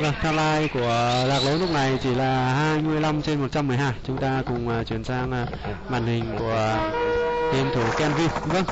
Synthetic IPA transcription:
və˧˨˩t̪ʰaː˧mlaː˧jku˧˩əlaː˨˩k̚lə˨˦nɨ˦˥k̚na˨˩jt͡ɕi˧˩laː˨˩haː˧jmɨ˧əjla˧mt͡ɕe˧nmo˨˩t̚t͡ɕa˧mːɨ˨˩əjɦaː˧˩jt͡ɕʊ˨˦ŋ͡mt̪aː˧kʊ˨˩ŋ͡mːt͡ɕwi˧˩ənsaː˧ŋː˨˩ | ma̰ː˧˨nhï˨˩ŋ̟ku˧˩ə | t̪i˧ənt̪ʰu˧˩kɛ˧nvi˧p̚və˧ŋ

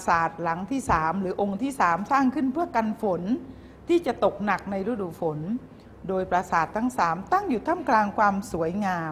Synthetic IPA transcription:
saː˨˩t̪̚la˩˦ŋt̪ʰiː˥˩saː˩˦mɾɯː˩˦ʔo˧ŋt̪ʰiː˥˩saː˩˦msaː˥˩ŋkʰɯ˥˩npʰɯ˥˩ɐka˧nfo˩˦n | t̪ʰiː˥˩t͡ɕa˨˩t̪o˨˩k̚na˨˩k̚na˧jɾa˦˥˩duː˨˩fo˩˦n | doː˧jpɾa˧saː˨˩t̪ʰːa˥˩ŋsaː˩˦mt̪a˥˩ŋju˨˩t̪ʰa˥˩mklaː˧ŋkʰwaː˧msu˩˦əjŋaː˧

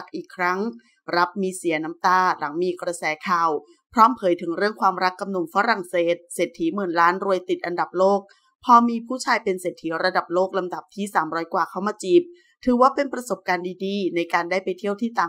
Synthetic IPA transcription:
k̚ʔiː˨˩kʰːɾa˦˥ŋ | ɾa˦˥p̚miː˧si˨˩˦ɐna˦˥mt̪aː˥˩la˩˦ŋmiː˧kɾa˧sɛː˩˦kʰaː˨˩w | pʰɾɔː˦˥mpʰɤː˨˦jt̪ʰɯ˩˦ŋɾɯ˥˩əŋkʰwaː˧mɾa˦˥kːa˧mnu˨˧˩ŋfa˦˥ɾa˨˩ŋseː˨˩t̪̚seː˨˩t̪ʰːiː˨˦˥mɯː˨˩nlaː˦˥nɾu˧əjt̪i˨˩t̪̚ʔa˧nda˨˩p̚loː˥˩k̚ | pʰɔː˧miː˧pʰuː˥˩t͡ɕʰaː˧jpe˧nseː˨˩t̪ʰiː˩˦ɾa˧da˨˩p̚loː˥˩k̚la˧mda˨˩p̚t̪ʰiː˥˩saː˩˦mɾɔː˦˥jkwaː˨˩kʰa˥˩wmaː˧t͡ɕiː˨˩p̚ | t̪ʰɯː˨˩˦waː˥˩pe˧npɾa˧so˨˩p̚kaː˧ndiː˧diː˧na˧jkaː˧ndaː˥˩jpa˧jt̪ʰi˥˩əwt̪ʰiː˥˩t̪aː˨˩

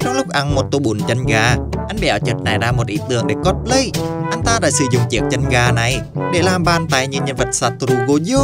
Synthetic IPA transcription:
t͡ɕɔ˧wŋ͡mlʊ˦˥k͡p̚ʔa˧˩nmo˨˩t̚t̪o˧ɓu˧˩˦nt͡ɕə˧nɣaː˧ʔa˧jŋ̟ɓɛ˨˩˦wt͡ɕə˨˩t̚na˨˩jɗaː˧˥mo˨˩t̚ʔḭ˧˦t̪ɨ̰˨˧˩əŋɗe˧˩kɔ˦˥t̚lə˧˦jʔa˧n̟t̪aː˧ɗa̰ː˧˥sɨ̰˨˧˩zʊ̰˧˨ŋ͡mt͡ɕḭ˨˩ək̚t͡ɕə˧nɣaː˧na˨˩jɗe˧˩˦laː˨˩mɓaː˧nt̪aː˧˨jɲi˧ənɲə˧nvə˨˩t̚saː˧˩t̪ɾu˧ɣo˧z

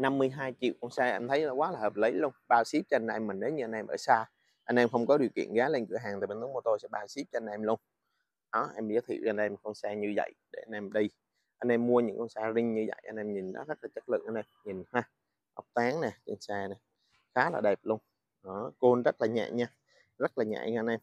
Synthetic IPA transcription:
na˧mːɨ˧əjɦaː˧jt͡ɕḭ˧˨wkɔ˧wnsaː˧ʔɛ˧mt̪ʰə˨˦ja˨˩kwaː˨˦laː˨˩həː˨˩p̚lə˨˦jlu˧ənɓaː˧wsi˦˥p̚t͡ɕɔ˧na˧ɛ˧mːi˨˩ŋɗə˨˦ɲɨ˧ʔa˧nʔɛ˧mʔəː˧˩saː˧ | ʔa˧nʔɛ˧mxə˧wŋ͡mkɔ˨˦ɗi˨˩əwkḭ˧˨ənɣaː˨˦le˧ŋkɨ̰˧˩əɦaː˨˩ŋt̪aː˨˩ɓe˧nʰ˨˦mː˨˧˩t̪o˧jsɛ̰˧˥ɓaː˧wsi˦˥p̚t͡ɕnʔɛ˧mlu˧əŋ | ɗɔ˨˦ʔɛ˧mɓi˧˨ə˨˦t̪ʰḭ˧˨˩wʔa˧nʔɛ˧mxə˧wnsaː˧ɲɨ˧və̰˧˨jɗe˧˩ʔa˧nʔɛ˧mɗi˧j | ʔa˧nʔɛ˧mːu˧əɲɨ̰˧˥ŋkɔ˧wŋ͡msaː˧zï˧ŋ̟ɲɨ˧və̰˧˨jʔa˧nʔɛ˧mɲi˨˩nɗɔ̰˨˦zə˦˥laː˨˩t͡ɕə˦˥t̚lɨ̰˧˨ŋʔa˧nʔɛ˧mɲi˨˩nhaː˧ | ʔa˨˥wk͡p̚t̪aː˨˦ŋnɛ˨˩t͡ɕə˧nsɛː˧nɛ˨˩ | xaː˨˦la̰ː˨˩ɗɛ˨˩p̚lu˧əŋ | ɗɔ˨˦ko˧nzə˦˥t̚laː˨˩ɲɛ̰ː˧˨ŋɲaː˧ | zə˦˥t̚laː˨˩ɲɛ̰ː˧˨ɲa˧a˧nʔɛ˧m

